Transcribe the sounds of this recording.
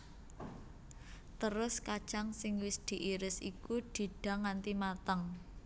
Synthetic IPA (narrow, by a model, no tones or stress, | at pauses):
t̪əɾʊskat͡ʃaŋsɪŋwɪsd̪̥i̤ʔiɾɪsikud̪̥i̤ɖ̥a̤ŋant̪imat̪əŋ